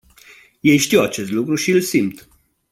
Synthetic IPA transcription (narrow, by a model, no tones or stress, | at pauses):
je̞jʃt̪iwat͡ʃe̞st̪lukɾuʃiɨlsimt̪